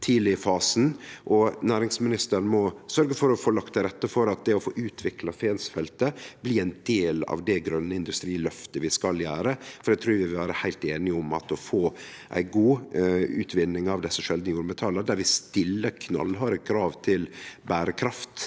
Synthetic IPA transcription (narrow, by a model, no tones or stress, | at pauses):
t̪ʰiːlɪəfɑːsn̩ʔɔnæːɾɪŋsmɪnɪst̪əɾnmɔsœɾɡəfɔɾɔfoːlɑkt̪ʰːɾɛt̪ːəfɔɾɑt̪̚d̪ɛɔfoːʔʉːt̪ʰʋɪklɑfeːnsfɛlt̪əb̥liːæɪnd̪̥eːlɑ̰ʋd̪ɛɡɾœnːəɪnd̪ʉst̪ɾiːlœft̪əʋɪskɑljæːɾəfɔɾɖ̪ɛt̪ʰɾʉːɾʋɪʋɪlʋæːɾəhæɪlt̪eːnɪʊmɑ̰t̪ɔfoː | ʔæ̰ɪɡuːʉːt̪ʰʋɪnːɪŋɑʋd̪ɛsːəʂɛld̪nəjuːɾmɛt̪ʰɑːləɾd̪æɾʋɪst̪ɪlːəkʰnɑ̰lɦɑɾəkʰɾɑːʋt̪ʰɪlbæːɾəkʰɾɑft̪